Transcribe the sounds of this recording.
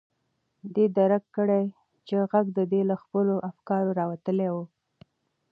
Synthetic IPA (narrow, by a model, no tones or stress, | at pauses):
d̪ed̪aɾakːəɽej | t͡ʃeɣaɡd̪əd̪elaxpəloʔafkɑɾoɾɑwat̪əlewu